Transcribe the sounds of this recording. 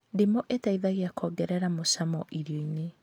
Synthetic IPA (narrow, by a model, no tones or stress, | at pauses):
ndemoʔetaiðaɣeakʰɔːɡɛɾɛɾamosamɔʔiɾjoine